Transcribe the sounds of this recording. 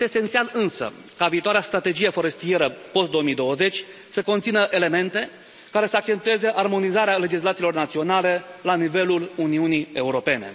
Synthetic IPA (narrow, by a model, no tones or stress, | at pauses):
jt̪eːsent̪sialɨnsə̰ | kaviːt̪oaɾeast̪ɾat̪e̞d͡ʒijefo̞ɾe̞st̪ije̞ɾəpo̞st̪d̪oomijd̪o̞wəze̞t͡ʃʲ | səko̞nt̪sinəʔe̞le̞me̞nt̪e̞ | kaɾe̞səak̚t͡ʃe̞nt̪ue̞ze̞ʔarmo̞nizaɾeale̞d͡ʒislat̪silo̞rnat̪sio̞nale̞lanive̞luluniunie̞uɾo̞pe̞ne̞̰